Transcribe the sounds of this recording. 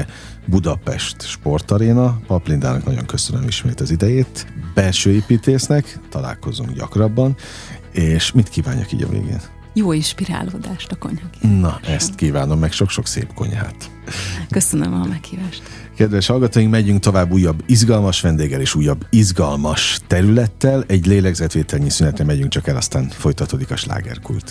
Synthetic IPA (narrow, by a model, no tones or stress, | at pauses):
bud̪ɒpɛ̰ʃt̪ʃpo̞rt̪ɒɾeːnɒpɒplind̪aːnɒknɒɟo̞̰ŋkø̞sønømiʃmeːt̪ɒzid̪ɛjeːt̪b̥ɛlʃøːeːpiːt̪eːsnɛkt̪ɒla̰ːlko̞zṵŋɡɟɒ̰krɒbːɒn | eːʃmit̪kiːva̰ːɲːɒ̰kḭːɟɒ̰vḛːɡḛːn | joːinʃpiɾa̰ːloːd̪aːʃt̪ɒko̞̰ɲhɒnɒɛst̪kiːvaːno̞mːɛkʃo̞kʃo̞ksḛːpko̞̰ɲha̰ːt̪ | køsønø̰mɒmɛkhiːvaːʃt̪ | kɛd̪ʋɛʃhɒlɡɒt̪oːiŋkmɛɟyŋk̚t̪o̞vaːbːuːjːɒbːizɡɒlmɒʃʋɛnd̪eːɡɛleːʃuːjːɒbːizɡɒlmɒʃt̪ɛɾylɛt̪ːɛlɛɟleːlɛɡzɛt̪ʋeːt̪ɛlɲisynɛt̪rɛmɛɟyŋk̚t͡ʃɒkɛlɒst̪aːnfo̞jt̪ɒt̪oːd̪ikɒʃla̰ːɡɛ̰rkṵlt̪